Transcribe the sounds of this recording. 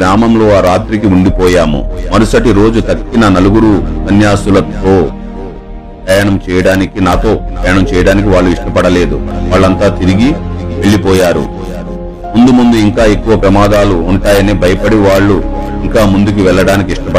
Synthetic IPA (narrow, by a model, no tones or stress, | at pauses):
ɾaːmɐmlo̞ːaːɾaːt̪ɾik̬iuɳɖipɔːjaːmṵmɐɾusɐʈiɾo̞ːd͡ʒut̪ɐkːinɐnɐluɡuɾusɐnjaːsulɐt̪o̞ː | pɾɐjaːɳɐmt͡ʃɛːjɐɽaːnikinaːt̪o̞ːpɐjaɳɐmt͡ʃɛːjɐɽaːnik̬iʋaːɭːuiʂʈɐpɐɽɐle̞ːd̪uʋaːɭːɐnt̪aːt̪iɾiɡiʋe̞ɭːipɔːjaːɾṵ | mund̪umund̪uiŋkaːe̞kːuʋɐpɾɐmaːd̪aːluːɳʈaːjɐniːbʱɐjɐpɐɽiʋaːɭːuiŋkaːmund̪uk̬iʋɛɭːɐɽaːnik̬iiʂʈɐpɐ